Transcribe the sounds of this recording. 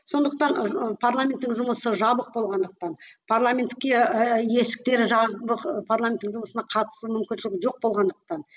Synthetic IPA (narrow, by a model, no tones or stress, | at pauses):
so̞nd̪əq̚t̪ɑnpʰarlˠamʲe̞nt̪ːɪŋʒʊməsəʒɑbəq̚bo̞lˠʁɑnd̪əq̚t̪ɑnpʰaɾlˠamʲe̞nt̪kʲːeje̞sɪ̥k̚t̪e̞ɾɪʒɑbəqpʰaɾlˠamʲent̪ːɪŋʒʊməsənɑqʰɑt̪ə̥sumʏmkʲɪnʃɪlʲɡʲɪʒo̞q̚bo̞lˠʁɑnd̪əq̚t̪ɑn